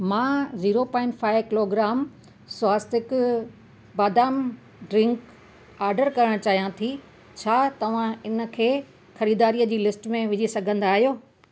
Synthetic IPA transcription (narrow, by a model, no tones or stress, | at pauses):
mãːziːɾopãːɪ̃ɳʈfaːɪʋkɪloːɡɾaːm | swaːst̪ɪk | baːd̪aːm | ɖɾɪ̃ŋk | aːɾɖəɾkɐɾəɽ̃t͡ɕaːɦijãt̪ʰi | t͡ɕʰaːt̪ɐʋ̤ãɪnə̆kʰeː | xɐɾiːd̪aːɾiːəd͡ʑiːlɪsʈmẽʋɪd͡ʑisɐɡʱə̃nd̪aːɦijoː